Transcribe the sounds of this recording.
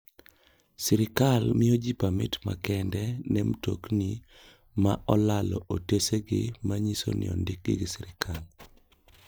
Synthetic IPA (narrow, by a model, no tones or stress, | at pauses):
siɾɪkalmɪod͡ʒipamɪ̰tma̰kɛndɛnɛmto̰kni | maʔɔlalɔ̰ʔoteseɡɪ̰maɲiso̰nɪ̰ɔ̰ndɪk̚ɡɪɡɪsɪɾɪkʰal